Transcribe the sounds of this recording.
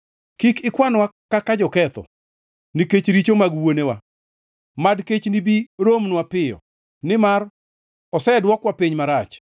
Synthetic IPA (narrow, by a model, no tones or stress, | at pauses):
kikɪkwanwakːakad͡ʒɔkɛt̪ɔ̰ | niket͡ʃɾit͡ʃomaɡwonewa̰ | madket͡ʃnibiɾomnwapɪjɔ̰ | nɪmar | ɔsɛdwɔkwapiɲmaɾat͡ʃ